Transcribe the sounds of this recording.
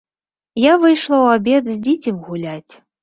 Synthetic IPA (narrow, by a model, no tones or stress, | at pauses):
javɨjʂlˠɐwabʲɛd̪zʲd͡zʲit͡sʲimʲɣulʲat͡sʲ